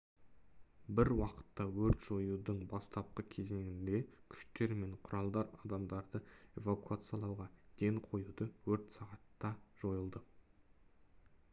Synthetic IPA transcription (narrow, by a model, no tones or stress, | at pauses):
bɪɾwɑqə̥t̪ːɑwɵɾt̪ʒ̥o̞jud̪əɴbɑst̪ʰɑp̚qəkʲʰe̞ze̞ŋɪnd̪e̞kʲʰʏ̥ʃt̪e̞ɾme̞ɴqʰʊɾɑlˠd̪ɑɾɑd̪ɑmd̪ɑɾd̪əe̞vakuat̪sɨjɑlˠɑwʁɑd̪̥e̞ŋqʰo̞jud̪əwɵɾt̪sɑʁɑt̪ːɑʒ̥o̞jəlˠd̪ə